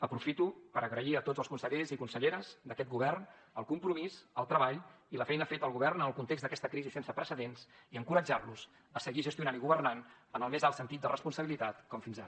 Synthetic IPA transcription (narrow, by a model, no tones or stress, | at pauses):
əpɾufit̪upəɾəɣɾəiət̪odd͡zəlˠskunsəʎezikunsəʎeɾəzd̪əkɛt̪̚ɡuβ̞ɛrn | əlˠkumpɾumizəlˠt̪ɾəβaʎiləfɛjnəfet̪əlˠɣuβɛrnənəlˠkunt̪ekɡzd̪əkɛst̪əkɾizisensəpɾəsəðensiəŋkuɾəd͡ʒarluz | əsəɣiʒəst̪iunaniɣuβərnan | ənəlˠmezalˠt̪sənt̪it̪̚d̪ərʔəspunsəβilit̪at̪kɔmfinza